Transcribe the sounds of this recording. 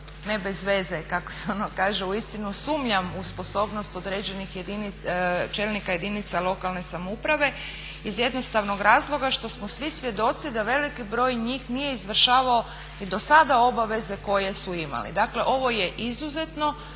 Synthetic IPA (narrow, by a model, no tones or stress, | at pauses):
ne̞be̞zʋe̞zekako̥seo̞nokaːʒeuist̪inusuːmʎamuspo̞so̞bno̞st̪o̞d̪ɾe̞ːd͡ʑe̞nixjed̪init͡ʃe̞lnikaje̞d̪init̪salˠo̞kalˠne̞samoupɾaʋe̞ | izje̞d̪no̞st̪aʋno̞ɡɾaːzlˠo̞ɡaʃt̪o̞smosʋisʋje̞d̪o̞t̪sid̪aʋe̞likibɾo̞ːjɲiːxnije̞izʋr̩ʃaːʋao | id̪o̞sad̪ao̞baʋe̞ze̞ko̞je̞suima̰lḭd̪akle̞ʔo̞ʋo̞je̞ʔizuze̞t̪no